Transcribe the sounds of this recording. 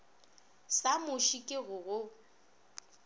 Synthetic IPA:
samʊʃikʼɪɣʊɣʊ

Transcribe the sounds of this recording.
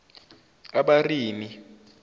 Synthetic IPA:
aɓariːmi

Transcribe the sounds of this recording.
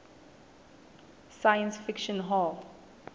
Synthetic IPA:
sajə̃nsfɪkʃɔ̃nɦɔl

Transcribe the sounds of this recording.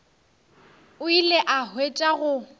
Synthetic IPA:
ʊileʔahwet͡ʃʼaɣʊ

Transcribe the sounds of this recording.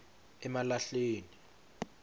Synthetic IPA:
ɛmalaɬeːni

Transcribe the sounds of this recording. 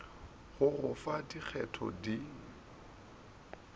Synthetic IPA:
ɣʊɣʊfadik͡xʰɛtʰɔ̰di

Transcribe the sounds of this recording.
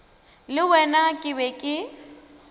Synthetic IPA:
lɪwɛnakʼɪbɛkʼɪ

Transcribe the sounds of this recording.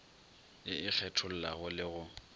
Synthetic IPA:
ɪɪk͡xʰɛtʰʊl̩la̰ɣʊlɪɣʊ

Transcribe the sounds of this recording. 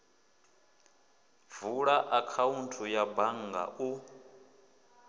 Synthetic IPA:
vuɺaʔakʰauntʰujabaŋɡa̰ʔu

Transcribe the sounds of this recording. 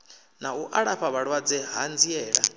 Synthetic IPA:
nauʔaɺaɸaβaɺwad͡zɛɦand͡ziɛːɺa̰

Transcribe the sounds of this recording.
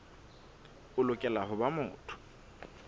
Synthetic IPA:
ʊlʊkʼɛlaɦʊbamʊːtʰʊ̥

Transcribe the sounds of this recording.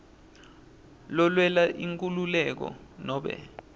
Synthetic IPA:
lɔlwɛlaʔiŋkʼululɛk̬ɔ̰nɔːɓɛ̰

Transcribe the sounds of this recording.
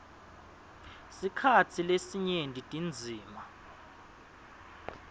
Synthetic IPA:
sikʰatʰilesiɲendʼʱitʼind͡zʱiːma

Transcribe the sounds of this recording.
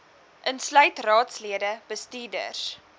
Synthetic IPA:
ʔənslœɥtrɑːtsliədəb̥əstiːdə̰rs

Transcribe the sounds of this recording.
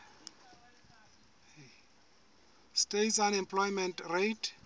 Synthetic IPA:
stetsanɛ̃mpʰlɔjmɛntʰrejtʰ

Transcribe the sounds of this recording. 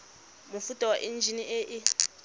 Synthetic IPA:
mufutʼɔwaʔind͡ʒʱiniʔɛʔɪ

